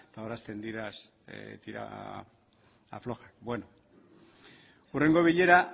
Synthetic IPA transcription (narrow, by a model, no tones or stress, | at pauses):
t̪aoɾast̪e̞nd̪iɾas | t̪iɾa̰ | a̰flo̞xak̚bwe̞no̞ | ure̞ŋɡo̞β̞iʎe̞ɾa